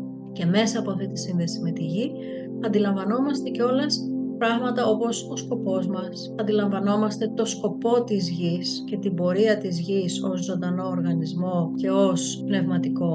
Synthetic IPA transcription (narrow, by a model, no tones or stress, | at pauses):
ce̞me̞sɐːpoɐft̪it̪isinðe̞sime̞t̪iʝi | ɐnd̪ilɐɱvɐno̞mɐst̪e̞ceo̞lɐspɾɐɣmɐt̪ɐo̞po̞so̞sko̞po̞zmɐs | ɐnd̪ilɐɱvɐno̞mɐst̪e̞t̪o̞sko̞po̞t̪izʝisce̞t̪ibo̞ɾiɐt̪izʝiso̞zzo̞nd̪ɐno̞ːɾɣɐnizmo̞ce̞o̞spne̞vmɐt̪iko̞